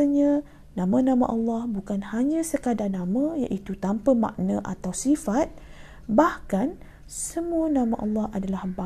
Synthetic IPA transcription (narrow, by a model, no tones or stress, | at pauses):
əɲã | nãmãnãmã̰ʔɑlːɑhbukanhaɲãsəkadanãmãja̰ʔit̪ut̪ampəma̰ʔnə̃ʔa̰t̪awsifat̪̚ | bahkan | səmuənãmãʔɑlːɑhʔadalahba